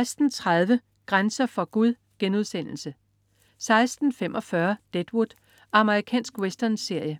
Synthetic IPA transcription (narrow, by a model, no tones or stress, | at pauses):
ɪsd̥n̩t͡sʰʁað̞ˠʋə | ɡ̥ʁansɐfɒ̽ɡ̥uð̞ˠ | ɡ̥enuð̞ˠsen̰l̩sə | sɑ̈ɪsd̥n̩femʔɒ̽fɶɐd̥ed̥wud̥ | ʔɑ̈məʁikʰɛ̰ːnsɡ̥wesd̥ɐnse̝ɐ̰jə